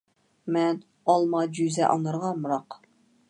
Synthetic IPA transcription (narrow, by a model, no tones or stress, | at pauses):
mɛn | ɑlˠmɑd͡ʒyzɛʔɑ̰ŋˠɨɾʁɑmuɾɑq